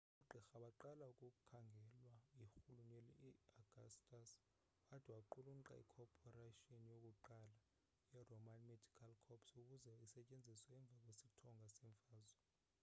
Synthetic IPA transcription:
ɓuɡ͡ǃʱixaɓaǃalaukʼuk̬ʼukʰaŋɡʱɛlwaixuluɲeliiaɡ̥ʱastʼas | watʰʼiwaǃuluŋ̩ǃa̰ḭkʰɔpʰɔraʃionjok̬ʼuǃala | jɛrɔmanmedʱikʰalkʰɔpsuk̬ʼuzɛisɛcʼend͡zʱiswɛɛɱb̪vʱak̬ʼwesitʰɔŋɡʱasɛɱfaːzɔ

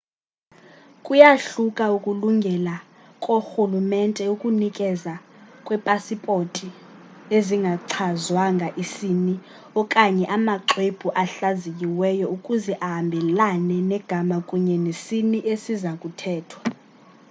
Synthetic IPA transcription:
kʼujaɬukʼaukʼuluŋɡʱɛla | kʼoxulumɛntʼɛukʼunikʼɛzakʼwɛpʼasipʼotʰʼi | eziŋɡʱaǀʰazwaŋɡʱaʔisini | ɔkʼaɲɛʔamaǁweb̥ʱuʔaɬazik̬ʼiwɛjɔukʼuzɛʔaɦambʱɛlanɛnɛɡ̥ʱamakʼuɲɛnesiniʔesizakʼutʰɛːtʰwa

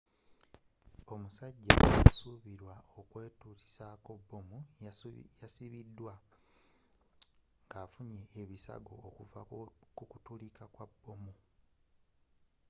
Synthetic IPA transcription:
o̞musaɟːa̰asuβiɾwaokweːtuɾi̥saːko̞bːomu | jasiβidːwa | ŋɡaːfuɲeːβisa̰ɡo̞ːkuvakukutulikakwabːo̞mu

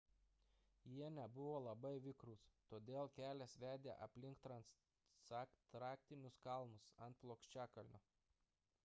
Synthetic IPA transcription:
jiɛnʲɛbʊʋoːlˠɐbɐɪʋʲɪkɾʊst̪oːd̪ʲeːlˠkʲæːlʲɛːsʋʲæːd̪ʲḛːʔɐ̰pʲlʲɪŋkt̪ɾɐns | sɑkt̪ɾɑːk̚ʲt̪ʲɪnʲʊskɐlˠmʊsɐnt̪̚plˠoːkʃʲt͡ʃʲæːkɐlʲnʲʊ

